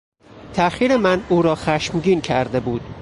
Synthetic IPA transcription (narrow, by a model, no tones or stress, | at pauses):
t̪ʰæxiːɾemænuːɾɒːxæʃmɟiːncʰæɾd̪ebuːd̪̥